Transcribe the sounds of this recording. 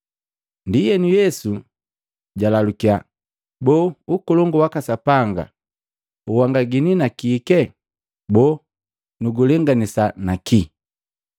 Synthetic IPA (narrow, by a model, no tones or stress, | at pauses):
ndijɛnujɛsu | ɟalalukia | bɔːukɔlɔŋɡɔwakasapaŋɡa̰ | uwaŋɡaɡininakiːkɛ | bɔ | nuɡulɛŋɡanisanakʰi